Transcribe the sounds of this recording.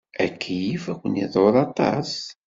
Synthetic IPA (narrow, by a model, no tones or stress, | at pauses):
ækʰːijifækʷːənḭðˤoɾˤɑt̪ˤːɑ̰s